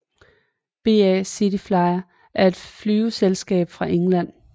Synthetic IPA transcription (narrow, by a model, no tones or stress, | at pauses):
b̥e̝̰ːɛsid̥iflɑ̈ɪɐ | ʔæɐe̝d̥flyːʊselsɡ̥ɛ̰ːb̥fʁɑ̈ʔeŋlæn̰